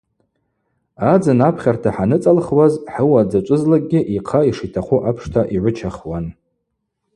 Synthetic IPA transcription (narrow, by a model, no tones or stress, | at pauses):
ad͡zanapʰχʲartʰaħanɨt͡sʼalχwazħəwad͡zat͡ʃʷʼʊzlaɡ̚ʼɡʲɪʔiqʰaiʂitʰaχʷʰuʔapʰʂtʰaʔiʕʷʊt͡ʃʰaχwan